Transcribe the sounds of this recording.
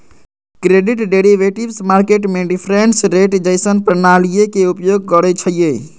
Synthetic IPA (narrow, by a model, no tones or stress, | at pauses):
kɾeɖiʈɖeɾiʋeʈibsmaɾkeʈmeɖipʰɾensɾeʈd͡ʒəjsənpɾənalijekeupjoɡ̚kəɾɛt͡ʃʰəlije